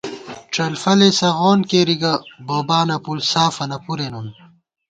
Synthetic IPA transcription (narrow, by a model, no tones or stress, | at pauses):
ʈ͡ʂɐlfɐlesɐɣoːnkeːɾiɡɐboːbaːnɐpulsaːfɐnɐpuɾenun